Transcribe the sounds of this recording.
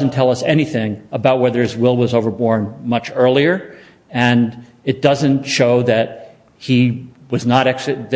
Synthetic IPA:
zn̩tʰɛlˠʌsɛñiθɪ̃ŋəbaʊt̚wɛðə˞ɨzwɪlˠwʌzoʊvə˞bɔɹnmʌt͡ʃɜ˞lˠiə˞ | ɨ̃n | ɨt̚d̥ʌzɨ̃ntʃoʊðɨt̚ | hiwʌznəɾɛksɨð

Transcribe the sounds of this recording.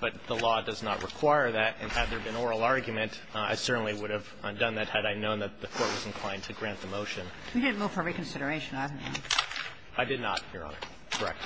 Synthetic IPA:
b̥ʌt̪̚ðəlɔdʌznə̰ʔ̚ɹʔɨkʰw̥aɪə˞ðæɾɨ̰̃nɨd̪̚ðə˞bɨ̃nɔɹl̩ˠɑɹɡjmɨ̃nt | a̰ɪsɜ˞ʔn̩liwʊɾɨv | dʌ̃nðɨt̚hɨɾaɪnõʊ̃nðɨt̪̚ðɨkʰɔɹt̚wʌznkʰl̥ãɪ̃ntʰɨɡɹæ̃nðɨmoʊʃɨ̃n | widɪdⁿn̩muv̥fə˞ɹikɨ̃nsɪɾə˞eɪʃɨ̃naɪvnõ̰ | aɪdɨdⁿnə̰t̚hiɹɑ̰̃nə | kʰə˞ɛ̰k̚t

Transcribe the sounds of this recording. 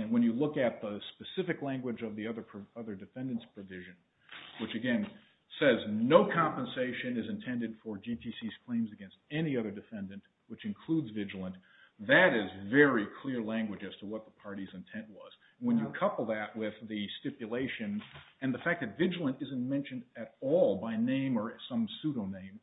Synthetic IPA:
ɨ̃nwə̃njɨlʊkɨt̪̚ðəspɨsɪfɨklæ̃ŋɡwɨd͡ʒʌvðiʌðə˞pʰɹ̥ʌðə˞dɨfɛ̃ndɨ̃ntspʰɹ̥ɨvɪʒɨ̃n | wət͡ʃɨɡɛ̃n | sɛznoʊkʰɑ̃mpɨ̃nseɪʃɨ̃nɨzɨ̃ntʰɛ̃ndɨd̥fə˞d͡ʒipʰisiz̥kʰl̥ẽɪ̃mzɨɡɛ̃nst̚ɛniʌðə˞dɨfɛ̃ndɨ̃nʔ | wɨt͡ʃɨ̃nkʰl̥udzvɪd͡ʒl̩ˠə̃n | ðɨɾɪzvɛɹikʰl̥ɪɹlæ̃ŋɡwɨd͡ʒɨz̥tʰəwʌt̪̚ðəpʰɑɹɾizɨ̃ntʰɛ̃nʔwʌz̥ | nwə̃njɨkʰʌpl̩ˠðɨʔ̚wɪðɨstɪpjɨleɪʃɨ̃nɨ̃nðɨfæk̚ðɨtvɪd͡ʒl̩ˠə̃ntɪzɨ̃nmɛ̃nʃɨ̃ndɨɾɔlˠbaɪnẽɪ̃mə˞sʌ̃msʉɾoʊnẽɪ̃m

